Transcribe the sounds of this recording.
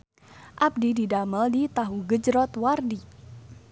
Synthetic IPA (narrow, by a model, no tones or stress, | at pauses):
ʔab̚dididaməldit̪aɦuɡəd͡ʒɾɔt̪wardi